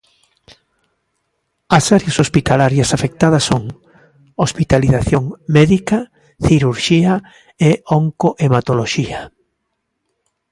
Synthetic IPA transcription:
ɐsaɾjasospit̪alaɾjɐsafek̚t̪aðɐsːoŋ | ospit̪aliθaθjoŋmɛðikɐ | θiɾuɾʃia | eoŋkoʔemat̪oloʃia

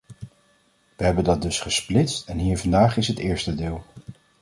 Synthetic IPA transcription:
ʋəɦɛbəndɑt̚dɵsχəsplɪtstɛnɦiːɹvɑndaːχɪsɦətɪːɹstədɪːlˠ

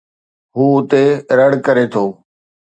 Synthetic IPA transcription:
ɦuːʊt̪eɾəɽkəɾet̪ʰoː

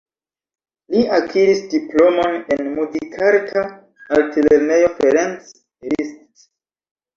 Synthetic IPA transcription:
liakʰiɾisdiplo̞mo̞ne̞nmuzikʰaɾtʰa | alteleɾne̞jo̞feɾens | ɾist

